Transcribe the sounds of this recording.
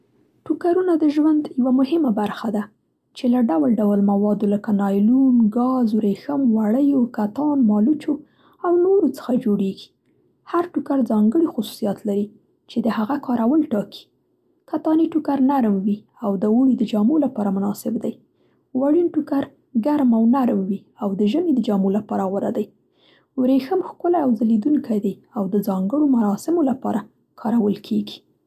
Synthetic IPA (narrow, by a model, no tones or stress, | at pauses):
ʈukaɾunad̪əʒwand̪jawamʊhɪmabaɾxad̪a | t͡ʃelaɖawalɖawalmawɑd̪oləkanɑjlunɡɑzɾexəmwaɽəjokat̪ɑnmɑlut͡ʃo | awnoɾot͡sə̥xad͡ʒoɽeɡi̥ | haɾʈukaɾd͡zɑŋɡəɽixʊsu̥sijɑt̪laɾi | t͡ʃed̪əhaɣakɑɾawalʈɑki̥ | kat̪ɑniʈukaɾnaɾmwi | awd̪əwuɽid̪əd͡ʒɑmolapɑɾamʊnɑsɪbd̪aj | waɽinʈukaɾ | ɡaɾmawnaɾmwi | awd̪əʒəmed̪əd͡ʒamolapɑɾaɣwaɾad̪aj | wɾexəmxkʊlaawzalid̪uŋkajd̪aj | awd̪əd͡zɑŋɡəɽomaɾɑsɪmolapɑɾa | kʰɑɾawəlkʰeɡi̥